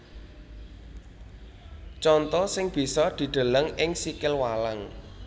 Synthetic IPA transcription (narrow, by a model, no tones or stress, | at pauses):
t͡ʃɔnt̪ɔsɪŋb̥i̤sɔd̪̥i̤ɖ̪̥ə̤ləŋɪŋsikɪlwalaŋ